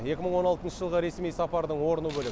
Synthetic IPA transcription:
je̞kʲɪməɴwo̞nɑlˠt̪ənʃəʒəlˠʁəɾe̞smijsɑpɑɾd̪əɴwo̞ɾənəbɵlɪ

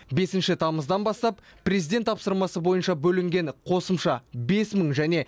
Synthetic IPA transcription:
be̞sɪnʃɪt̪ʰɑməzd̪ɑnbɑst̪ɑppʰːrʲe̞zijd̪e̞nt̪ʰːɑpsəɾmɑsəbo̞jənʃɑbɵlɪŋɡʲe̞ɴqʰo̞səmʃɑbe̞sməɴʒæne̞

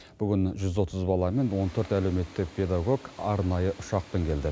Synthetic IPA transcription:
b̥ʏɡʲɪnʒʏzwo̞t̪ʰəzbɑlˠɑme̞nwo̞nt̪ʰɵɾt̪æle̞wme̞t̪ːɪk̚pʰʲe̞d̪aɡo̞ɡɑɾnɑjəʔʊʃɑq̚peŋkʲʰe̞ld̪ɪ

